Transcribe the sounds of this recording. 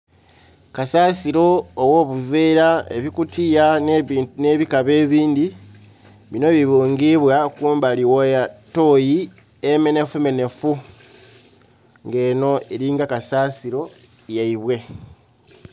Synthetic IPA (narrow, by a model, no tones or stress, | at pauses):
kasaːsiɾo̞ːwo̞ːβuveːɾaḛβikutʰija | ne̞βikaβe̞ːβiːndi | βino̞βiβuːŋɡiβwakuːmbaliwojato̞ji | eme̞ne̞feme̞ne̞fu | ŋɡe̞ːno̞eɾiːŋɡakasaːsiɾo̞ | jaiβwe̞